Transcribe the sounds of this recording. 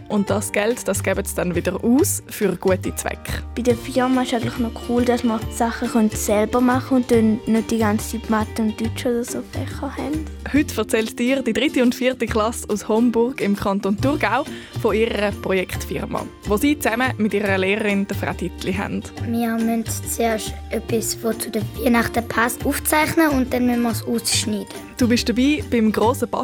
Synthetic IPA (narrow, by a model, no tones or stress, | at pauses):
ʔʊnt̚d̥ɑsɡ̥ɛltd̥ɑsɡ̥ɛːbəsd̥ɛnvɪdəʁuːsfyʁɡ̥uətit͡sv̥ɛ̰kχb̥idəfɪʁmaɪʃaɪɡəntlɪχnɔkʰuːldasməsaχəχœntsɛlb̥əmaχəʊnt̚dɛnːøt̚d̥iɡant͡sipmatəʊntd̥yt͡ʃəodəsoːfɛ̰χəhɛnd̥hʏtfɛɐt͡sɛltd̥iːʁd̥idʁɪtiʊntfiːtikχlɑsushɔmbʊrɡɪmkʰɑntontuʁɡaʊfoɪʁəʁəpʁɔjɛkχtfɪʁmɑ̰ʋosiːt͡sɛməmɪtiːʁəʁəleːʁəʁind̥əfʁa̰titliɦɛ̰nd̥miɐmœntt͡seːɐʃtœpːisvot͡sudəviənɑχtəpʰasuːft͡saɪχnəʊnt̚d̥ɛnmynməsuːsʃniːd̥ə | d̥uːbɪʃd̥əbiːb̥ɪmɡʁoːsəpɑ̰